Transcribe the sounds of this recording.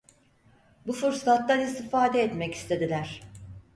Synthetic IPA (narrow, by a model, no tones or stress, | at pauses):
bufuɾsˠat̪lanist̪ʰifaːd̪ɛːt̪mɛci̥st̪ʰe̞d̪ilʲæɾ̥